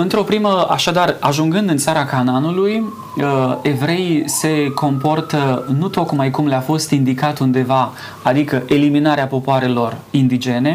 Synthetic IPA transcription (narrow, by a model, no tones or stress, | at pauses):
ɨnt̪ɾo̞pɾiməa̰ʃad̪araʒuŋɡɨnd̪ɨnt̪saɾakananuluj | e̞vɾe̞jse̞kʰo̞mpo̞rt̪ənut̪o̞kmajkumleafo̞st̪ind̪ikat̪und̪e̞va | ad̪ikəʔe̞liminaɾeapo̞poaɾe̞lo̞rind̪id͡ʒe̞ne̞